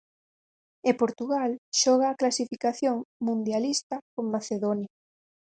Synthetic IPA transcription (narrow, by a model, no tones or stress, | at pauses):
epoɾt̪uɣalʃɔɣaːklasifikaθjoŋmũnd̪jalist̪ɐkoŋmaθeðonja